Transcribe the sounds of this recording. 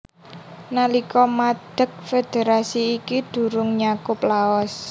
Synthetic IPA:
nalikɔmad̪̥ə̤k̚fed̪̥eɾasiːkid̪̥ṳɾʊŋɲakʊplaɔs

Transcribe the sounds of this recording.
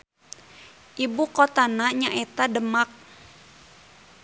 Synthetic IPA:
ʔibukot̪anaɲaʔet̪adəmak̚

